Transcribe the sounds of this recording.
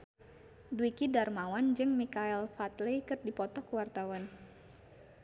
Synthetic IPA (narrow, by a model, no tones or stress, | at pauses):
dwikidarmawand͡ʒɨŋmikaɛlfat̪lejkɨrdipɔt̪ɔkəwart̪awan